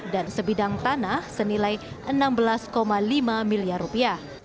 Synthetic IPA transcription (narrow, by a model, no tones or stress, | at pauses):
dansəbidaŋt̪anahsənilaj | ʔənambəlaskomalimamiliarupiah